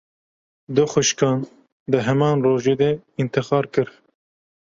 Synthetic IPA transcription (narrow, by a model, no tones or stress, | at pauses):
d̪ʊxʊʃkɑːn | d̪ɨɦɛmɑːnroːʒeːd̪ɛint̪ɨxɑːɾkɨɾ